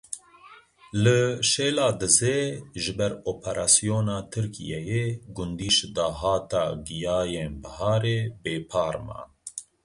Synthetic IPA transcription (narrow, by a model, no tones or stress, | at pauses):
lɨʃeːlɑːd̪ɨzeːʒɨbɛɾoːpʰɛɾʔɑːsijoːnɑːt̪ʰɨɾkʰḭjɛjeɡʊnd̪iːʃd̪ɑːɦɑːt̪ɑ̰ːɡijɑːjeːnbɐhɑːɾeːbeːpʰɑːɾmɑ̰